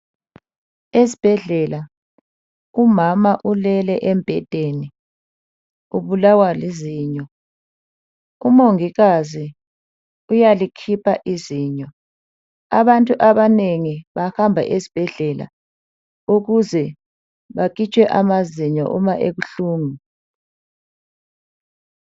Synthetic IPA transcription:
esi̥b̥ʱɛɮɛla | umamaʔulɛlɛʔɛmpʼɛtʼeni | uβulawaliziːɲɔ | umoŋiɣazi | ujalikʰipʰaʔiziːɲɔ | a̰βantʼuʔaβaneŋiβahambʱa̰ʔezi̥b̥ʱɛɮɛla̰ | uɣuzɛ | βak̬it͡ʃʼwɛʔamaziɲɔ̰ʔṵmaʔeɣuɬuːŋi

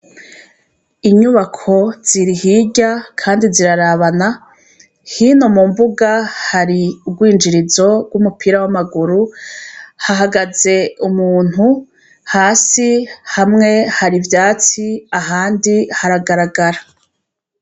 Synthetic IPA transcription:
iɲuβakʰo̞z̥iɾihiɟakʰaːndiziɾaɾaβana | hino̞mumbuɡahaɾiuɡwiːnd͡ʒiɾizo̞ɡ̥wumupʰiɾawamaɡuɾu | haɦaɡaze̞umuːn̥hu | haːsihamŋe̞haɾivjaːt͡siaɦaːndihaɾaɡaɾaɡaɾa

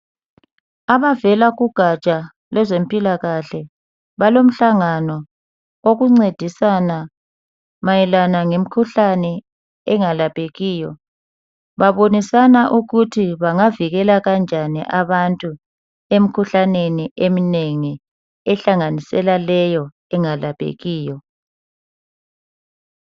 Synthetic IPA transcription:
aβavɛlaɣuɡ̥ʱat͡ʃʼa | lɛzem̩pʼilaɣaɬɛ | βalom̩ɬaŋanɔ | oɣuŋ͡ǀed̥ʱisana | majɛlanaŋem̩kʰuɬanɛ | ɛŋalapʼeɣiːjɔ | βaβonisanaʔuɣutʰiβaŋaviɣɛlaɣand͡ʒʱanḭʔaβantʼu | em̩kʰuɬaneniʔemineŋi | ɛɬaŋanisɛlalɛjɔ | ɛŋalapʼḛɣiːjɔ

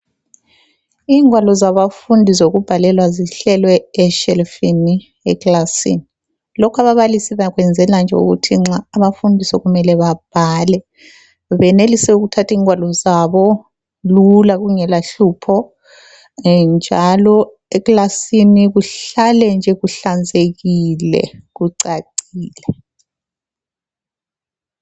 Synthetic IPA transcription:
iːŋwalɔzaβafundʱizoɣub̥ʱalɛlwaziɬɛlwɛɛʃɛlfini | ɛɣlasḭni | lɔkʰaβaβalisiβaɣwɛnd͡zʱɛland͡ʒʱɛṵɣṵtʰiŋ͡ǁaːβafundʱisɔɣumɛlɛβab̥ʱalɛ | βɛnelisɛuɣutʰatʰiːŋwalɔzaβɔ | lulaɣuŋɛlaɬuːpʰɔ | nd͡ʒʱalɔ | ɛklasiniɣuɬalɛnd͡ʒʱɛɣuɬand͡zʱeɣilɛ̰ɣuǀaǀiːlɛ

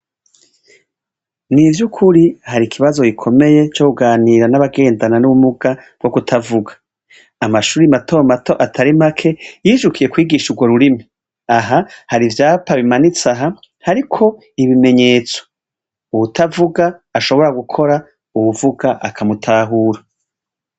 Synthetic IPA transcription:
nivjukʰuɾihaɾikʰiβazo̞ɡikʰo̞me̞je̞t͡ʃo̞kuɡaːniːɾanaβaɡe̞ːndananuβumuɡab̥̚ɡo̞ɡutʰavuɡḁː | maʃuːɾimatʰomatʰo̞ʔatʰaɾimakʰe̞jiːʒukʰije̞kwiːɡiːʃuɡwo̞ɾuɾimi | aɦahaɾivjaːpaβimanit͡saɦa | haɾikʰo̞ | iβime̞ɲe̞ːt͡so̥ | wutʰavuɡaːʃo̞βo̞ɾaɡukʰo̞ɾa | uwuvuɡaʔakʰamutʰaːɦuːɾa

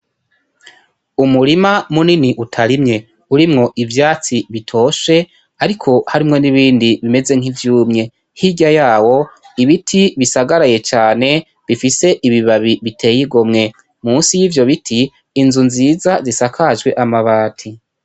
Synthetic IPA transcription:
umuɾimamuniniʔutʰaɾimɲe̞ | uɾimŋo̞ʔivjaːt͡siβitʰo̞ːʃe̞ | aɾikʰo̞haɾimŋo̞niβiːndiβime̞ze̞ŋ̥ivjuːmɲe̞ | hiɟajaːwo̞ | iβitʰiβisaɡaɾaje̞t͡ʃaːne̞ | βifise̞ʔiβiβaβiβitʰe̞ːjiɡo̞mŋe̞ | muːnsijiːvjo̞βitʰiː | nzunziːzazisakʰaʒɡwe̞ʔamaβaːtʰi

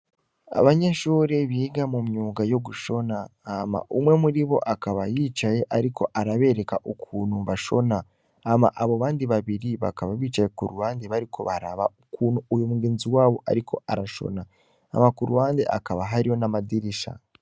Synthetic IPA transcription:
a̰βaɲeʃuːɾeβiːɡamumɲuːɡajo̞ɡuʃo̞naːma̰ʔumwe̞muɾiβo̞̰ʔakaβajiːt͡ʃaje̞ʔaɾikʰo̞ʔaɾaβe̞ːɾe̞kaʔokʰuːnumβaʃo̞̰naː | ma̰ʔaβoβaːndiβaβiɾiβa̰kaβaβiːt͡ʃajekuɾuwaːndeβaɾikʰo̞̰βaɾa̰βa̰okuːnuujomuɡeːnziwaːβo̞ʔa̰ɾikʰo̞̰aɾaʃo̞̰na̰ː | makuɾuwaːndeʔa̰kaβaɦaɾijo̞namadiɾiʃa̰

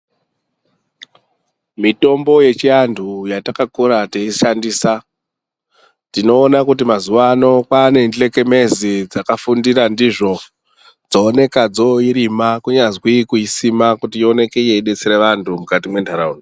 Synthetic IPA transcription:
mito̞mbo̞je̞t͡ʃiantʰujatakakuɾateiʃandiːsa | tino̞ːnakut̬imazuʋano̞kwane̞ndile̞ke̞me̞zid͡zakafundiɾandiʐo̞ | d͡zoːne̞kad͡zo̞iɾimakuɲazwikuisimakutiio̞ne̞kejeiɗe̞t͡seɾeʋantʰumukatimwe̞ndʱaɾaundi

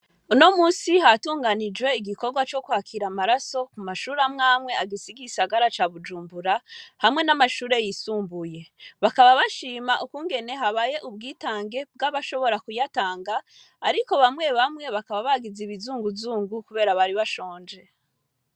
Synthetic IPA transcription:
uno̞muːnsiɦatuːŋɡanid͡ʒwe̞iɡiko̞ɾɡwat͡ʃo̞kwhaːkʰiɾamaɾaso̞kumaʃuːɾamŋaːmŋe̞aɡisiɡisaɡaɾat͡ʃaβud͡ʒuːmbuɾahamŋe̞namaʃuːɾe̞jisuːmbuje̞βakaβaβaʃiːmaʔukuːŋɡe̞ne̞ɦaβaje̞ʔubɡiːtaːŋɡe̞b̚ɡaβaʃo̞βo̞ɾakujataːŋɡaː | ɾiko̞βamŋe̞βamŋe̞βakaβaβaɡiziβizuːŋɡuzuːŋɡukuβe̞ːɾaβaɾiβaʃoːnd͡ʒe̞

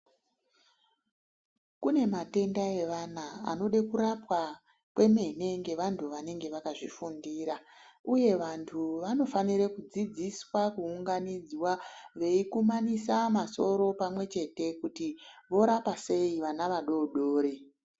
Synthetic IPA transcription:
kune̞mate̞ndae̞ʋanaa̰no̞ɗekuɾapwa | kwe̞me̞ne̞ŋɡe̞ʋantʰuʋane̞ŋɡe̞ʋakaʐifundiːɾauje̞ʋantʰuʋano̞faniɾekud͡zid͡ziswakuːŋɡanid͡zwaʋe̞ikumanisamaso̞ɾo̞pamwe̞t͡ʃe̞te̞kutiʋo̞ɾapase̞iʋanaʋaɗo̞ɗo̞ːɾe

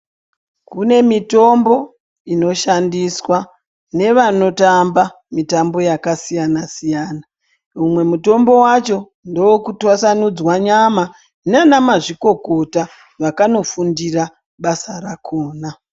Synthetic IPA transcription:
kune̞mito̞mbo̞ | ino̞ʃandiswa | ne̞ʋano̞tamba | mitambo̞jakasijanasijaːna | umwe̞muto̞mbo̞wat͡ʃo̞ | ndowokutwasanud͡zwaɲama | nanamaʐiko̞ko̞ta | ʋakano̞fundira | ɓasarakʰoːna

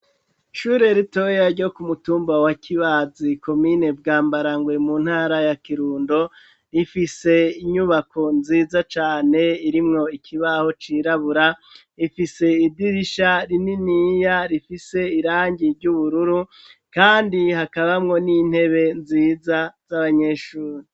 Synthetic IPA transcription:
ʃuːɾe̞ɾito̞jaɾɟo̞kumutuːmbawakiβaziko̞mine̞bɡaːmbaɾaŋɡwe̞muːn̥haːɾajakiɾuːndo̞ | ɾifise̞iɲuβakʰo̞nziːzat͡ʃaːne̞iɾimŋo̞ikʰiβaho̞t͡ʃiːɾaβuɾa | ifise̞idiɾiʃaɾininijaɾifise̞iɾaːɲɟiɾɟuβuɾuɾu | kaːndihakaβamŋo̞nin̥he̞βe̞nziːzaz̥aβaɲe̞ʃuːɾi

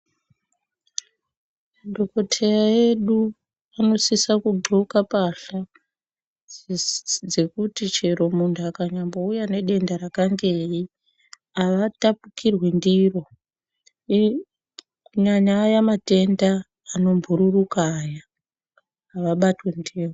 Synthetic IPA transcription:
do̞ko̞tʰe̞raje̞ɗu | ano̞sisakuɡʱukapaɬa | d͡ze̞kutit͡ʃe̞ɾo̞muntʰuakaɲambo̞ujane̞ɗe̞ndaɾakaŋɡei | aʋatapukirwe̞ndiːro̞ | kuɲaɲaːjamate̞ndaː | no̞mbʱuɾurukaːja | ʋaɓatwe̞ndeːro

